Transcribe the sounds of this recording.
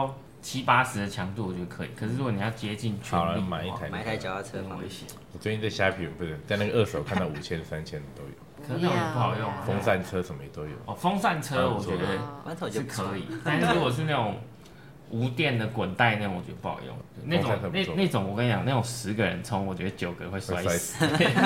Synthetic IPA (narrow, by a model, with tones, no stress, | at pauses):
ʊ | t͡ɕʰi˦˥pa˥ʂɻ̩˧˥d̪ə˨t͡ɕʰjɑ˧˥ŋt̪u˥˨wɔ˨˩t͡ɕɥɛ˧˦d̪ə˧kʰɤ˧˦i˨˩kʰə˨˩ʂɻ̩˥˩ɻu˦˥o˧˨ni˨˩jɑ˥˧˩ʊt͡ɕjɛ˦˥t͡ɕi˥˨nt͡ɕʰa˧˦˥ma˨˦i˥˩a˧˥ɪ˨˥a˨˧t͡ɕʰwḛ˧˥ɪɕɛ̰˦ | wɔ˨˩swe˥˧t͡ɕi˥˧nt͡sa˥˩ɪɕja˥pʰi˨˥˨pu˧˩ə˥˩t͡sa˥ɪna˥˩ɡə˨ʔə˥˩so˨˩ʊkʰa˥˧n˥d̪ɑ˥˩u˨˩t͡ɕʰjɛ˦nsa˦nt͡ɕʰjɛ˦n˨˩t̪o˥ʊjo̰˨˩˦kʰə˨˩˥a˥˩˨pu˥˩ɑ˨˩ʊjo˥˨ŋfɔ˥ŋsa˥˩nʈ͡ʂʰɤ˦sə˨˩mə˦jɛ˨˩t̪o˦ʊjo̰˨˩ʊɔ˨˩fo˥ŋsa˥˧nʈ͡ʂʰɤ˥˨wɔ˨˩t͡ɕɛ˧˦d̪ə˧˥˨ʂ̩˥˩kʰə˧˦i˨˩t̪a˥˧n˥˩˧ɻu˧˥ɡoɔ˨˩ʂ̬̩˥˧na˥˩ʈ͡ʂʊ˨˩ŋ | u˧˥t̪jɛ˥˩nd̪ə˨kwə˨˩nt̪a˥˧ɪna˥˩o˨˦ŋwɔ˨˩t͡ɕɛ̰˧˥d̪əpu˥˩ɑ̰˨˩jo̰˥˨ŋt͡ɕo˧˥˦n˥˩o˨a˥˨ə˧ne˥˩˧na˥˩ɪʈ͡ʂo˨˩ŋwɔ˨˩kə˥˩jɑ̰˨ŋna˥˩ʈ͡ʂo˨˩ŋʂɻ̩˧˦ɡə˨ɻə̰˧˦nt͡sʰo˥ŋwɔ˨˩t͡ɕɥɛ˧˦d̪ə˧t͡ɕjo˨˩ʊɡə˨˦xwe˥˩ɪswa˥˦wa˧˦˨e˥˩